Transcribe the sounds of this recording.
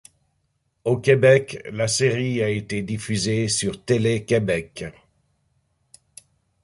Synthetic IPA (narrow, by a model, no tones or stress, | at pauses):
okʲebɛklaseʁiaet̪ed̪ifyzesyʁt̪elekʲebɛk